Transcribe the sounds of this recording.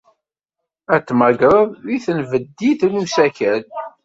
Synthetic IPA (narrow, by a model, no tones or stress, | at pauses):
æt͡sːmæɡɾˤəðiθənvəd̪ːiθlusækæl